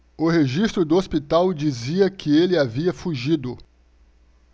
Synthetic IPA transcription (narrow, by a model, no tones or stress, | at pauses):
ʊheʒist̪ɾʊd̪ʊospit̪awd͡ʒiziɐkɪelɪaviɐfuʒid̪ʊ